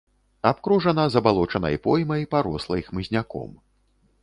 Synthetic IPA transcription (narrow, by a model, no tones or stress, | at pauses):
apkɾuʐɐnɐzɐbalˠɔt͡ʂɐnɐ̰jpɔjmɐjpaɾɔslˠɐixmɨzʲnʲakɔ̰m